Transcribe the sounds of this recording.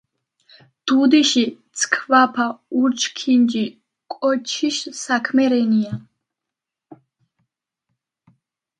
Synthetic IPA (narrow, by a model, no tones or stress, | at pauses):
d̪̥ud̪iʃit̪t͡sʰkʰvapʰauɾt͡ʃʰkʰind͡ʒi | kʼɔt͡ʃʰiʃsakʰmɛɾɛnia